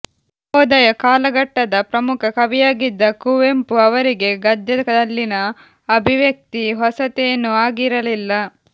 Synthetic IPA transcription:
ɔːd̪ɐjɐkaːlɐɡɐʈːɐd̪ɐpɾɐmukʰɐkɐbijaːɡid̪ːɐkuʋempuɐʋɐɾiɡe̞ɡɐd̪jɐkɐd̪ɐlːinɐː | bʱiʋjɐk̚t̪iɦɔsɐt̪ejɐnːuaːɡiɾɐlilːɐ

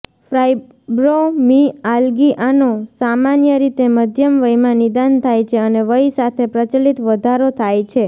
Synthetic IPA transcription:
fɾaj | bɾomialɡiʔanosamanjəɾit̪eməd̪ʱjəmʋəjmãnid̪ant̪ʰajt͡ʃʰeəneʋəisat̪ʰepɾət͡ʃəlit̪ʋəd̪ʱaɾot̪ʰajt͡ʃʰe

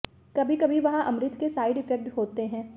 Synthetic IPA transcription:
kɐbʱikɐbʱiʋɐɦãʔɐmɾɪt̪kesaːɪɖɪfɛk̚ʈɦoːt̪eɦɛ̃ː

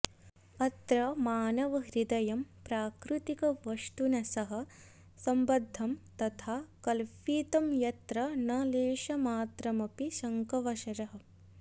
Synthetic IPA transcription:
ɐt̪ɾɐmaːnɐʋɐɦɾid̪ɐjɐmpɾaːkɾut̪ikɐʋɐʂt̪unɐsɐɦɐ̆ | sɐmbɐd̪ʱːɐmt̪ɐt̪ʰaːkɐlfiːt̪ɐmjɐt̪ɾɐnɐleːʃɐmaːt̪ɾɐmɐpiʃɐŋkɐʋɐʃɐɾɐɦɐ̆

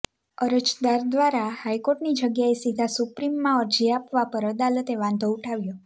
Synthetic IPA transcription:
əɾət͡ʃd̪aɾd̪ʋaɾahajkoʈnid͡ʒəɡjaesid̪ʱasupɾimːãəɾd͡ʒiapʋapəɾəd̪alət̪eʋãnd̪ʱouʈʰaʋjo

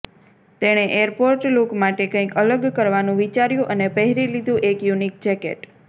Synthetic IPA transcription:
t̪eɽ̃eʔeəɾpoɾʈlokmaʈekə̃ĩkələɡkəɾʋanũʋit͡ʃaɾjũʔənepəɦɾilid̪ũʔekjunik̚d͡ʒɛkḛʈ

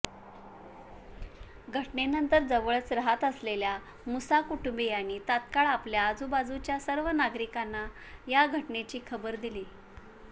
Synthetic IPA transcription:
ɡʱəʈnenənt̪əɾd͡zəʋəɭsɾəɦat̪əslelja | musakuʈumbejanːiːt̪at̪kaɭapljaːd͡zubad͡zut͡ɕjasəɾʋənaɡɾikanːa | jaɡʱəʈɳet͡ɕiːkʰəbəɾd̪iliː

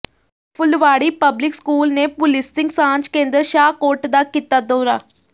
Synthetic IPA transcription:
pʰʊlʋaːɽipəblɪkskuːlnepʊlɪstɪ̃ŋɡsãːnd͡ʒkẽːnd̪əɾʃaːkoːɾʈd̪akit̪ad̪oːɾaː

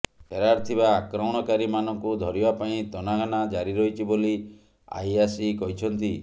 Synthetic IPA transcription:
pʰeɾaɾt̪ʰibaːkɾɔɽ̃ɔkaɾimanɔŋkud̪ʱɔɾibapaĩt̪ɔnaɡʱanad͡ʒaɾiɾɔɦit͡ʃʰiboli | a̰jasikɔɦit͡ʃʰɔnt̪i

